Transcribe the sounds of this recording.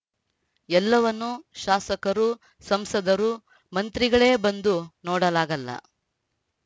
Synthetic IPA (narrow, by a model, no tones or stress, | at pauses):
ɛlːɐʋɐnːuʃaːsɐkɐɾu | sɐmsɐd̪ɐɾu | mɐnt̪ɾiɡɐɭe̞ːbɐnd̪unɔːɽɐlaːɡɐlːɐ̰